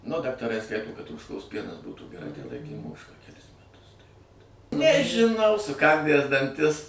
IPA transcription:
nʊ dɐktɐˈrɐɪ ˈskɐɪtoː kɐt oːʃˈkoːs ˈpʲiɛnɐs ˈbuːtuː ɡʲɛˈrɐɪ tɐɪ ˈlˠɐɪkʲeːm ˈoːʃkɑː kʲɛˈlʲɪs mʲɛˈtʊs tɐɪ ʋɐt nʲɛʒʲɪˈnɐʊ sʊˈkɐnʲdʲæs dɐnʲˈtʲɪs

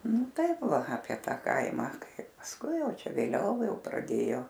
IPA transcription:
ˈnʊ ˈtɐɪp ˈʋɐ ɐpʲiɛ ˈtɐ ˈkɐɪmɑː ˈkɐɪp pɐsˈkʊɪ ˈjɛʊ ˈt͡ʃʲɛ ʋʲeːˈlʲɛʊ ˈjɛʊ prɐˈdʲeːjoː

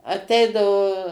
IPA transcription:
ɐˈtʲɛɪdɐʋoː

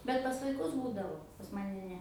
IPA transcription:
bʲɛt pɐs ʋɐɪˈkʊs ˈbuːdɐʋoː pɐs ˈmɑːnʲɛ ˈnʲɛ

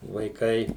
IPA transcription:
ʋɐɪˈkɐɪ

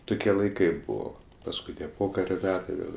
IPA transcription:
ˈtʊkʲiɛ lˠɐɪˈkɐɪ ˈbʊʋoː pɐsˈkʊɪ tʲiɛ ˈpoːkɐrʲoː ˈmʲæːtɐɪ ˈʋʲeːlˠ

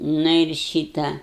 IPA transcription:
ˈnʊ ɪr ˈʃʲiːtɐ

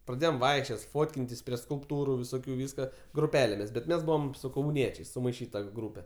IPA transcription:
prɐˈdʲeːjoːm ˈʋɐɪkʃʲt͡ʃʲoːt ˈfoːtʲkʲɪnʲtʲɪs pʲrʲiɛ skʊlˠpˈtuːrʊ ʋʲɪˈsoːkʲʊ ˈʋʲiːskɐ ɡrʊˈpʲæːlʲeːmʲɪs bʲɛt ˈmʲɛs ˈbuːʋɐm sʊ kɐʊˈnʲiɛt͡ʃʲɛɪs sʊmɐɪˈʃʲiːtɐ ˈɡruːpʲɛ

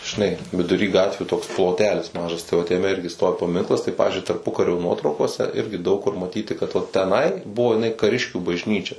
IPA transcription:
ʒʲɪˈnɐɪ ʋʲɪdʊˈrʲiː ˈɡɑːtʲʋʲuː toːks plˠoːˈtʲæːlʲɪs ˈmɑːʒɐs tɐɪ ʋɐt jɛˈmʲɛ ˈɪrʲɡʲɪ ˈstoːʋʲɪ pɐˈmʲɪŋklˠɐs tɐɪ ˈpɑːʋʲɪzʲd͡ʒʲʊɪ tɐrˈpʊkɐrʲoː ˈnuɔtrɐʊkoːsʲɛ ˈɪrʲɡʲɪ dɐʊk kʊr mɐˈtʲiːtʲɪ kɐt ʋɐt tʲɛˈnɐɪ ˈbʊʋoː jɪˈnɐɪ kɐˈrʲɪʃʲkʲuː bɐʒʲˈnʲiːt͡ʃʲɛ

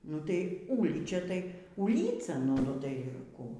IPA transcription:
nʊ tɐɪ ˈuːlʲiːt͡ʃʲɛ tɐɪ uːˈlʲiːt͡sɐ ˈnʊ tɐɪ ˈkuː

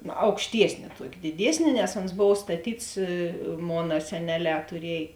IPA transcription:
ɐʊkʃʲˈtʲiɛsʲnʲɪ ˈtuɔkʲɪ dʲɪˈdʲiɛsʲnʲɪ nʲɛs oːns ˈboːw stɐˈtʲiːts ˈmoːnɐ sʲɛˈnʲæːˌlʲɛː tʊˈrʲiɛj

